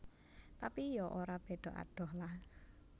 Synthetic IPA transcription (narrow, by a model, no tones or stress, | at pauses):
t̪apijɔʔoɾab̥eɖ̪̥ɔ̤ʔa̰ɖ̥ɔ̤hlah